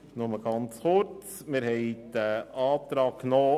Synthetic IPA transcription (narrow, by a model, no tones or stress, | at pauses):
nʊməɡ̥ɑnt͡shʊɾt͡smɪɾhɛɪd̪əɑːt̪ɾɑːkknɔː